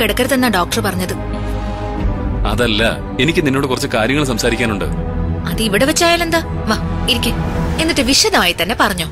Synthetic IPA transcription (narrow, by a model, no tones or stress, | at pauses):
keɽɐkːɐɾɐt̪ːenːaːɖoːk̚ʈɐrpɐrɐɲːɐðɨ | ɐ̰ðɐlːɐ̰ | e̞nikʲːɨninːo̞ːɽɨkurɐt͡ɕːɨkaːɾjɐŋːɐɭsɐmsaːɾikʲːaːnuɳɖɨ̰ | ɐðɨiʋiɽeʋɐt͡ɕːaːjaːle̞nd̪aː | ʋaːiɾikʲːɨe̞nːiʈːɨʋiʂɐðɐmaːjit̪ːɐnːe̞pɐrɐɲːoː